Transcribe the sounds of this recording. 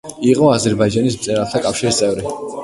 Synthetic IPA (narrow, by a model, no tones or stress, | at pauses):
iqʼɔazɛɾbaid͡ʒanismt̪sʼɛɾalˠt̪ʰakʼafʃiɾist̪sʼɛvɾi